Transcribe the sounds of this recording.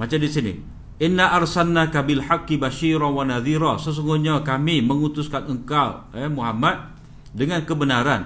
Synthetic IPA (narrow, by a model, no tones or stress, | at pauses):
mat͡ʃamdisinḭ | ʔɪnːaʔarsanːakabɪlħakːibaʃiɾawanaðiɾasəs̬uŋɡuhɲakamiməŋut̪uskanəŋkawɛmuɦamat̪̚ | dəŋankəbənaɾan